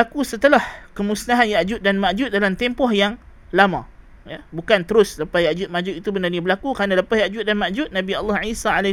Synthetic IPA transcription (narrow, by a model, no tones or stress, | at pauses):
akusət̪əlahkəmusnaɦanjaʔd͡ʒʊt̪̚danmaʔd͡ʒʊt̪̚dalamt̪empɔhjaŋ | lamã̰ | jabukant̪əɾʊsləpasjaʔd͡ʒʊt̪̚maʔd͡ʒut̪it̪ubənarniabəlakukɾanaləpahjaʔd͡ʒʊt̪̚danmaʔd͡ʒʊt̪̚nãbialːɔhʕisaʕala